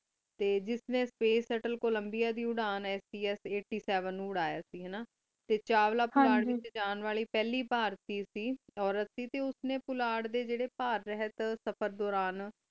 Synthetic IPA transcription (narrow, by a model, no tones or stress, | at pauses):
t̪eːd͡ʒɪsnẽːspeːsəʈəlkoːləmbijaːd̪iːʊɽaːnɛːsiːɛːseːʈːiːsɛːʋənːũːʊɽaːjaːsiːɦɛːnaː | t̪eːt͡ʃaːʋlaːpʊlaːɖʋɪt͡ʃd͡ʒaːnʋaːɭiːpɛːliːpaːɾt̪iːsiːɔːɾət̪siːt̪eːʊsnẽːpʊlaːɽd̪eːd͡ʒeːɽeːpaːɾːɛɦət̪səpʰəɾd̪ɔːɾaːn